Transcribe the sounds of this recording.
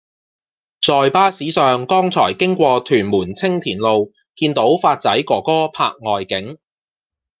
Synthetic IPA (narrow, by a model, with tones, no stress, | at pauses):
t͡sɔː˨jpaː˥siː˨˥sœː˨ŋkɔː˥ŋt͡sʰɔː˨˩jkɪ˥ŋkʷɔː˧t̪ʰyː˨˩nmuː˨˩nt͡sʰɪ˥ŋt̪ʰiː˨˩nlo˨w | kiː˧nt̪o˨˥wfaː˧t̚t͡sɐ˨˥jkɔː˧˩kɔː˥pʰaː˧k̚ŋɔː˨jkɪ˨˥ŋ